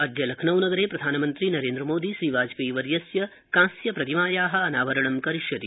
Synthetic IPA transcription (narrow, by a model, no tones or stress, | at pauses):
ɐd̪ʱjɐlɐkʰnɐwnɐɡɐɾeːpɾɐd̪ʱaːnɐmɐnt̪ɾinɐɾeːnd̪ɾɐmoːd̪iʃɾiːʋaːd͡ʒpiːʋɐɾjɐsjɐ | kãːsjɐpɾɐt̪imaːjaːɦɐɐnaːʋɐɾɐɳɐmkɐɾiʃjɐd̪i